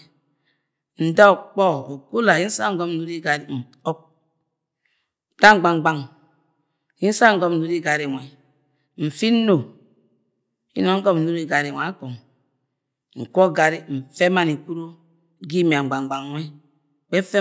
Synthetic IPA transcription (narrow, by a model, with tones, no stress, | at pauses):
n̩˨da˦˨k͡pɔ˦o˨ku˦la˨ji˦n̩˦sa˦ŋ̩˦ɡɔ˦m˨u˨˦ɾi˦ɡa˨ɾi˦m̩˨ | ɔ˦k̚ | ta˦ŋ͡m̩˨ɡ͡ba˨ŋ˨ɡ͡ba˦ŋ | ji˦n̩˦sa˦ŋ̩˨ɡɔ˦m̩˨u˨˦ɾi˦ɡa˨ɾi˨ŋʷe˨ | m̩˨fi˦no˨ | hḭ˦no˦ŋ̩˦ɡɔ˦m̩˨nu˦ɾi˦˨ɡa˨ɾi˨a˨˦ko˨ŋ | ŋ̩˨kʷo˦ɡa˨ɾi˦m̩˨fe˦ma˦ni˨ku˦ɾo˦ | ɡi˦m˨a˨ŋ͡m̩˨ɡ͡ba˨ŋ͡mɡ͡ba˨ŋʷ˨e˦ | k͡pe˦fe˦